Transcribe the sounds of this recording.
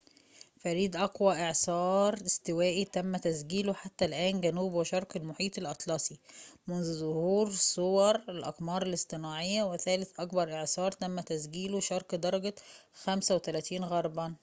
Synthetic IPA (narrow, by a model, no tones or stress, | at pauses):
fæɾiːd̪ʔɑkwæʔeʕsɑːɾˤɪst̪ɪwæːʔit̪æmːæt̪æsɡiːloħat̪ːælʔæːnɡænuːbwɪʃɑɾˤqelmoħiːt̪ˤelʔɑt̪ˤlɑsˤimʊnðuzʊhuːɾsˤowɑɾˤelʔɑ̰qmɑːɾˤelɪst̪ˤɨnɑːʕejːæweθæːlɪθʔɑkbɑɾˤʔeʕsɑːɾˤt̪æmːæt̪æsɡiːloʃɑɾˤkd̪ɑɾˤɑɡæ | xæmsæwet̪ælæːt̪iːnɣɑɾˤbɑn